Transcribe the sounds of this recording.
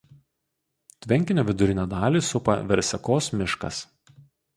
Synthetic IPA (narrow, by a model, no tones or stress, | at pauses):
t̪ʲʋʲɛŋʲkʲɪnʲoːʋʲɪd̪ʊɾʲɪnʲɛd̪ɑːlʲiːsʊpɐ̰ʋʲɛɾʲsʲɛkoːsmʲɪʃkɐ̰s